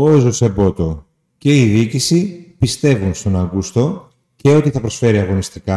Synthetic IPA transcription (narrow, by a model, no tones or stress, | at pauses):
oezosebo̞t̪o̞ | ce̞iðicisipist̪e̞vunst̪o̞nɐŋɡust̪o̞ | ce̞o̞t̪iθɐpɾo̞sfe̞ɾiɐɣo̞nist̪ikɐ